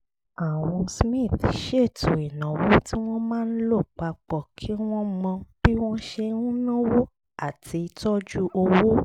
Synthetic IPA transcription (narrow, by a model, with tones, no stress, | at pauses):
a˨w̃ɔ̃˧smĩ˦˨θʃe˦˨tũ˨i˨nã˨wo˦ti˦w̃ɔ̃˦mãː˦n̩˦lo˦˨k͡pa˧k͡pɔ˨kʰi˨˦w̃ɔ̃˦mɔ̃˧b̥i˦w̃ɔ̃˦ʃe˧ũ˦nã˦wo˦ | a˦˨ti˧i˧tɔ˦d͡ʒu˦ʔo˧wo˦